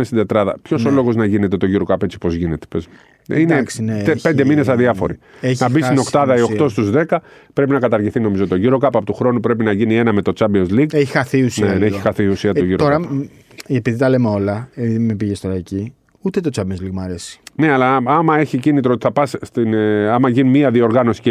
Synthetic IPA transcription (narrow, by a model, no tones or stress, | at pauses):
est̪id̪e̞t̪ɾɐðɐ̰pço̞so̞lo̞ɣo̞znɐʝine̞t̪e̞t̪o̞ʝiɾo̞kɐpe̞t͡sipo̞zʝinet̪e̥pez | inepe̞nd̪e̞mine̞sɐðiɐfo̞̰ɾḭ | enɐbist̪ino̞kt̪ɐðɐio̞kt̪o̞st̪uzðe̞kɐ | pɾe̞pinɐkɐt̪ɐɾʝiθino̞mizo̞t̪o̞ʝiɾo̞kɐpɐpot̪uxɾo̞nupɾe̞p̬inɐʝinie̞nɐme̞t̪o̞t͡sɐmbionzliɡeçixɐθiusneneçiixɐθiusiɐtoʝiɾooɾɐ | epiðit̪ɐlemeo̞lɐepiðimepiʝest̪oɾɐici | ut̪et̪ot͡sɐmbionzliɡmɐɾe̞si̥ne̞ɐlɐɐmɐe̞çicinit̪ɾoot̪i̥θɐpɐsst̪inɐmɐʝinimiɐðio̞ɾɣɐno̞si̥ce